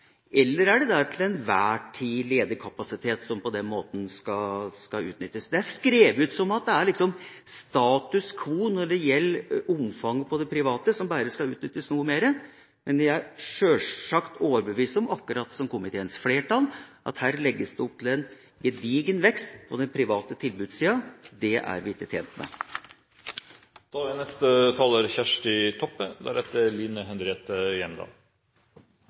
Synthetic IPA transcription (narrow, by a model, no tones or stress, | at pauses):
ɛlːəɾæɖɛd̪æɾt̪ʰɪlɛnʋæːʈʰiːleːd̪əkʰɑpɑsɪt̪ʰeːt̪sɔmpɔd̪ɛnmoːt̪n̩skɑskɑʉ̰ːt̪nʏt̪ːəsd̪ɛæskɾeːʋʉːt̪sɔmɑt̪̚d̪ɛæɾɭɪksɔmst̪ɑːt̪ʉskʰʋuːnɔɖɛjɛlːʔʊmfɑŋːpʰɔd̪ɛpʰɾɪʋɑːt̪əsɔmbæːɾəskɑʉːt̪nʏt̪ːəsnuːmeːɾə | mɛnʋɪæɪʂøːlɑkt̪oːʋəɾbəʋiːsəɔmɑkːʉɾɑːt̪sɔmkʊmɪt̪ʰeːənsfleːʈɑlʔɑ̰t̪hæːɾlɛɡːəsd̪ɛɔp̚t̪ʰɪlɛn | ɡɛd̪iːɡənʋɛkst̪pʰɔd̪ɛnpʰɾɪʋɑːt̪ət̪ʰɪlbʉːd̪siːɑd̪ɛʔæ̰ɾʋɪɪt̪ːət̪ʰeːnt̪mɛ̰ | d̪̥ɑːlʋænɛst̪ət̪ʰɑːləɾçæʂʈɪt̪ʰɔpːəd̪æ̰ɾɛt̪ːəliːnəɦɛnd̪ɾeɛːt̪əjɛnd̪ɑ̰ː